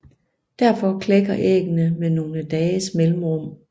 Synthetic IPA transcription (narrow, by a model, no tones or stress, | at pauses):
d̥æɐ̰fɒ̽kʰleɡ̥ɐʔḛːɡ̥ənəmeno̝ːləd̥ɛːəsmelm̩ʁɔm̰